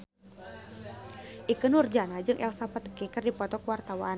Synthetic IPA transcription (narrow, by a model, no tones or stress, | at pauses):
ʔikənurd͡ʒanad͡ʒɨŋʔɛ̰lsapat̪kɛkɨrdipɔt̪ɔkəwart̪awan